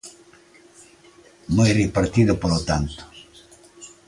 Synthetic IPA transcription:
mojripaɾt̪iðʊpolot̪ant̪o̥

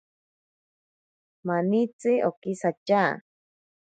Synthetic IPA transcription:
manit͡sɨʔokisat͡ʃaː

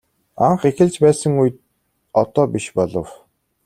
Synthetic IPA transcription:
aɴχexɘ̆ɮt͡ɕpæːsə̆ŋuj̆t̪̚ | ɔt̪ɔːpiʃpɔɮɞ̰̆w

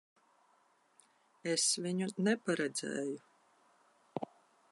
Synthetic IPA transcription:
esvʲiɲunɛpaɾɛd̪zɛ̰ːju

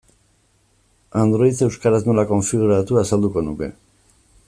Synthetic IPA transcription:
and̪ɾo̞it͡se̞wskaɾazmolako̞ɱfiɣuɾat̪uasald̪uko̞nuke̞̰

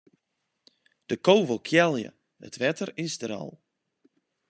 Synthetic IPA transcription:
d̥əkoːvəlˠkʰjɛlˠjə̰ | ə̰tʋɛtərɪsdəɾɔ̰lˠ

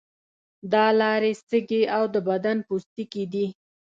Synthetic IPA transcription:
d̪ɑlɑɾesəɡeawd̪əbad̪anpust̪ikid̪i

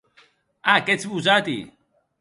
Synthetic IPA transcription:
aket͡sibuzat̪ḭ

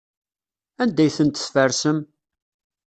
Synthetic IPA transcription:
ænd̪æjθənt̪sfəɾsəm

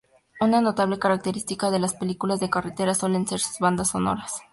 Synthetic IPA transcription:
unano̞t̪aβle̞kaɾak̚t̪e̞ɾist̪ikaðe̞laspe̞likulazðekaret̪e̞ɾaswe̞le̞nse̞ɾsu̥zβand̪asːo̞no̞̰ɾas

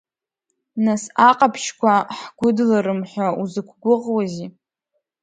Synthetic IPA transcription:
nasaqʼapʰʃkʷʰaħɡʷʊdlaɾɨmħʷauzɨkʷʰɡʷʊʁwazi

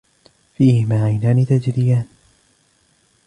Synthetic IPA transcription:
fiːhɪmaːʕajnaːnit̪ad͡ʒɾɪjaːn

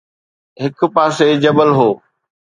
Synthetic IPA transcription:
ɦɪkpaːsed͡ʑɐbəlɦoː

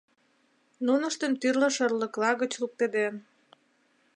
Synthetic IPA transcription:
nunə̆ʃt̪ənt̪yrlə̆ʃərlə̆klɑɣə̆t͡ɕluk̚t̪ed̪en

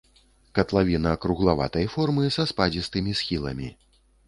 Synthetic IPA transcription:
kɐt̪lˠavʲinɐkɾuɣlˠava̰t̪ɐjfɔrmɨsɐspad͡zʲist̪ɨmʲisxʲilˠɐ̰mʲi

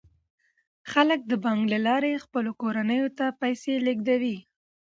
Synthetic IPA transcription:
xalək̚d̪əbɑŋɡlalɑɾexpəlokoɾanəjot̪apajseleɡd̪awi

